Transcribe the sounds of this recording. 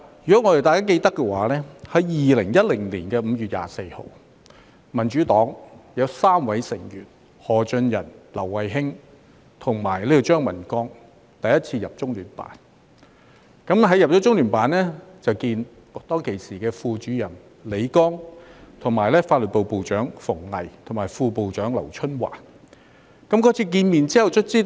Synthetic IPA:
jy˨˩kɔ˨˥ŋɔː˨˧t̪e˨˩t̪aː˨jkaː˥ke˧jt̪ɐ˥kːɛ˧waː˨˥lɛː˥hɐ˨˥jjiː˨lɪ˨˩ŋjɐ˥t̚lɪ˨˩ŋliː˨˩nkɛː˧m̩˨˧jyː˨t̚ja̰ː˨se˧jho̰˨˧w | mɐ˨˩nt͡ʃyː˨˥t̪ɔː˨˥ŋjɐ˨˧wsaː˥mwɐ˨˥jsɪ˨˩ŋjyː˨˩n̚ | hɔː˨˩t͡ʃɵ˧njɐ̰˨˩nlɐ˨˩wːɐ˨jɦɪ˥ŋ | t̪ʰʊ˨˩ŋmaː˨˩jle˥t̪o˨˧wt͡ʃœː˥ŋmɐ̰˨˩nkɔː˥ŋ | t̪ɐ˨jɐ˥t̚t͡sʰiː˧jɐ˨p̚t͡sʊ˥ŋlyː˨˩npa̰ː˨˥n | kɐ˨˥mɦɐ˨˥jɐ˨p̚t͡ʃɔː˨˥t͡sʊ˥ŋlyː˨˩npaː˨˥nlɛː˥t͡sɐ˨wkiː˧n | t̪ɔː˥ŋkʰe˨˩siː˨˩kɛː˧fuː˧t͡ʃyː˨˥jɐ˨˩n | le˨˧˥jkɔː˥ŋt̪ʰʊ˨˩ŋmaː˨˩jlɛː˥faː˧t̚lɵ˨t̚po˨wpo˨wt͡ʃœː˨˥ŋfʊ˨˩ŋlɐ˨˩jt̪ʰʊ˨˩maː˨˩jfuː˧po˨wt͡ʃœː˨˥ŋlɐ̰˨˩wt͡ʃʰɵ˥nwa̰ː˨˩k | kɐ˨˥mkɔː˧˥t͡sʰiː˧k̬iː˧nmiː˨nt͡siː˥hɐ˨wt͡ʃʰɵ˥t̚t͡siː˥

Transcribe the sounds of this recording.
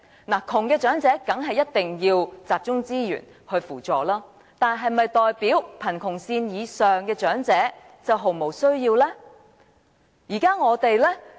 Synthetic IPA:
naː˨˩kʰʊ˨˩ŋkɛː˧t͡ʃœː˨˥ŋt͡sɛː˨˥kɐ˨˥ŋɦɐ˨jɐ˥t̚t̪ɪ˨ŋjiː˧wt͡saː˨p̚t͡ʃʊ˥ŋt͡siː˥jy̰ː˨˩n | hɵ˧ɥfuː˨˩t͡sɔː˨laː˥ | t̪aː˨nɦɐ˨jmɐ˨jt̪ɔː˨jpiː˨˥wpʰɐ˨˩nkʰʊ˨˩ŋsiː˧njiː˨˧sœː˨ŋkɛː˧t͡ʃœː˨˥ŋt͡sɛː˨˥ | t͡sɐ˨wɦo˨wmo˨˩wsɵ˥ɥjiː˧wlɛː˥ | jiː˨˩kaː˥ŋɔː˨˧˥t̪e˨jlɛ˥

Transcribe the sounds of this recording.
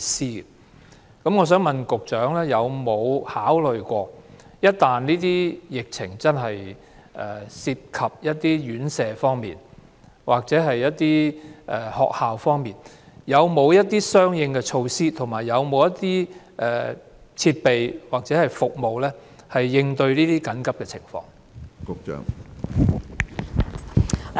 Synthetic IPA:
siː˥ | kɐ˨˥mŋɔː˨˧s̬œː˨˥ŋmɐ˨nkʊ˨k̚t͡ʃœː˨˥ŋlɛː˥jɐ˨˧wmo˨˧whaː˨˥wlɵ˨ɥkʷɔː˧ | jɐ˥t̚t̪aː˨nliː˥t̪iː˥jɪ˨k̚t͡sʰɪ̰˨˩ŋt͡sɐ˥nɦɐ˨j | ʔɛː˨˩siː˧p̚kʰɐ˨p̚jɐ˥t̚t̪iː˥jyː˨˥nsɛː˨˧fɔː˥ŋmḭː˨˩n | wʔaː˨k̚t͡sɛː˨˥ɦɐ˨jːɐ˥t̚t̪iː˥ʔɛ˨hɔ̰ː˨k̚haː˨wfɔː˥ŋmiː˨n | jɐ˨˧wmo˨˧wjɐ˥t̚t̪iː˥sœː˥ŋjɪ˧ŋkɛ˧t͡ʃʰo˧wsiː˥t̪ʰʊ˨˩ŋmaː˨˩jːɐ˨˧wmo˨˧wjɐ˥tt̪iː˥ | ʔɛ˨˩ | t͡sʰiː˧t̚pe˨jwaː˨k̚t͡sɛː˨˥hɐ˨jfʊ˨k̚mo˨wlɛː˥ | hɐ˨jːɪ˧ŋt̪ɵ˧ɥliː˥t̪iː˥kɐ˨˥nkɐ˥p̚kɛ˧t͡sʰɪ̰˨˩ŋfɔ̰ː˧ŋ | kʊ˧k̚t͡ʃœ̰ː˨˩ŋ

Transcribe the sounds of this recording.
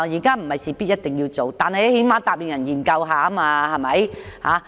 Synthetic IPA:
jiː˨˩kaː˥m̩˨˩hɐ˨˩jsiː˨pi˥t̚jɐ˥t̚t̪ɪ˨ŋjiː˧wt͡so˨wt̪aː˨nhɐ˨jhe˨˥jmaː˨˧˥t̪aː˨˩p̚liː˨ŋjɐ˨˩njiː˨˩nkɐ˧wɦaː˨˧˥maː˧hɐ˨jmɐ˨˥jha̰ː˨˧˥

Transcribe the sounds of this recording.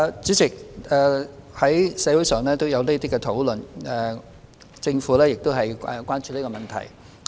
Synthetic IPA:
t͡syː˨˥t͡sɪ˨k̚ɛː˨˧hɐ˨˥jsɛ˨˧˥wu˨˥jsœː˨ŋlɛː˥t̪o˥wjɐ˨˧wne˥t̪iː˥kɛ˧t̪ʰo˨˥wlɵ˨nɛ˨˩ | t͡sɪ˧ŋfuː˨˥lɛː˥jɪ˨k̚t̪o˥wɦɐ˨jɛ˨˩kʷwʷaː˥nt͡ʃyː˧liː˥kɔ˧mɐ˨nt̪ʰɐ̰˨˩j

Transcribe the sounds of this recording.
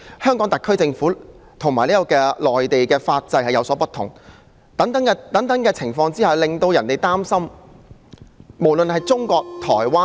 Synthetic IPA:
hœː˥ŋkɔː˨˥ŋt̪ɐ˨˩kʰːɵ˥ɥt͡sɪ˧ŋfuː˨˥t̪ʰʊ˨ŋmaː˨˩jliː˥kɔ˧kɛː˧lɔː˨˩jt̪e˨jkɛː˧faː˧t̚t͡sɐ˧jhɐ˨jɐ˨˧wsɔː˨˥pɐ˥t̪ʰʊ̰˨˩ŋ | t̪ɐ˨˥ŋt̪ɐ˨˥ŋ˧t̪ɐ˨˥ŋt̪ɐ˨˥ŋkɛː˧t͡sʰɪ˨˩ŋfɔː˧ŋt͡siː˥haː˨˩wlɪ˨ŋt̪o˧wjɐ˨˩nt̪e˨jt̪aː˥msɐ˥m | mo˨˩wlɵ˨nhɐ˨jt͡sʊ˥ŋkɔː˧k̚t̪ʰɔ̰ː˨˩jwaː˥

